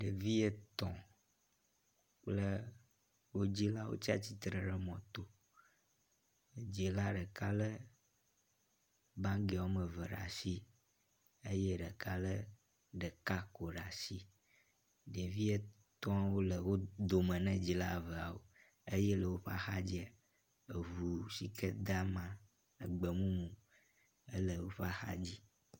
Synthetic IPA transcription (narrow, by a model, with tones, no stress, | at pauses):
ɖe˨vi˦e˨t̪ɔ̰̃˨ | k͡plə˦ | wo˦d͡ʑi˦la˦wo̰˦t͡ɕi˦a̰˦t͡ɕi˦t̪ɾə˨ɖə˨mɔ̃˨t̪o˨ | d͡ʑi˨la˦ɖə˨ka˦lə˦ | bã˦ŋɡe˨wo˦mə̃˨və˨ɖa̰˨si˦ | e˦je˦ɖə˨ka˦lə˦ | ɖə˨ka˦ko˨ɖa˨si˦ | ɖe˨vi˦e˦ | t̪ɔ̃˦wo˦lə˨wo˦d̪o˨mə̃˨nɛ̃˦d͡ʑi˨la˦˨və˨a˨wo̰˨ | e˦je˦lə˨wo˦ɸa̰˦xa˦d͡ʑi˦a˨ | e˨vu˨si˨kʰe˦d̪a˦mã˨ | ə˨ɡ͡bə˨mũ˦mũ˨ | ə˦lə˨wo˦ɸa˦xa̰˦d͡ʑi˦